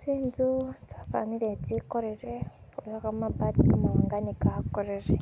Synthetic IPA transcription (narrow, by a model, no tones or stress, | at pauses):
t͡siːnzutafa̰niɾeɟikoɾeɾeojokamabatikamawaːŋɡanikakoɾeɾe